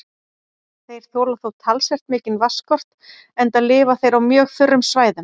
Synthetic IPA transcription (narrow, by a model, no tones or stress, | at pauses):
θejɾ̥θoːlaθowt̪ʰalsɛr̥t̪mɪːcɪnvaskɔr̥t̪ | ɛnt̪alɪːvaθejɾawmjœːɣθʏrːʏmsvaːjðʏm